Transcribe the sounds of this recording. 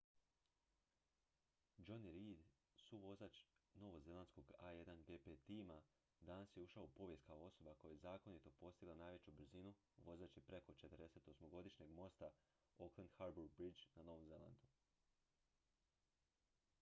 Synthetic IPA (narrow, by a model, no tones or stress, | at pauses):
d͡ʒo̞niɾid̪ | suʋo̞zat͡ʃno̞ʋo̞ze̞lˠansko̞ɡaje̞d̪anɡepet̪ima | d̪anasjeuʃaoupo̞ʋje̞st̪kaoo̞so̞bako̞jojezaːko̞nit̪o̞po̞st̪iɡlˠanaːjʋe̞t͡ɕubɾ̩zinu | ʋo̞zat͡ɕepɾe̞ko̞t͡ʃe̞t̪əɾd̪e̞se̞t̪o̞smo̞ɡo̞d̪iʃɲe̞ɡmo̞st̪a | o̞klˠend̪xaɾbuɾbɾid͡ʒnano̞ʋo̞mze̞la̰nd̪u